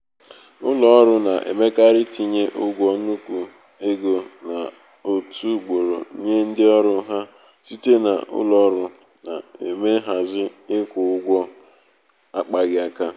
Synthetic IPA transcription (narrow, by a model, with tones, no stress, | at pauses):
ʊ˦lɔ˨ɔ˦ɾʊ˦na˨ʔḛ˨me˦ka˦ɾɪ˦ti˦ɲe˦ʔʊ˦ɡʷɔ˦nu˦kʷu˨ | e˦ɡo˨na˨ | o˨tʰu˦ɡ͡bo˨ɾo̰˨˦ɲe˦n̩˦dɪ˦ɔ˦ɾʊ˦ɦa˦ | si˦te˦na̰˨ʔʊ̰˦lɔ˨ɔ˦ɾʊ˦ | na˨e˨me˦ɦa˨zɪ˦ɪ˦kʷʊ˨ʊ˦ɡʷɔ˦ | a˦k͡pa˨ɡɪ˦a˨ka˦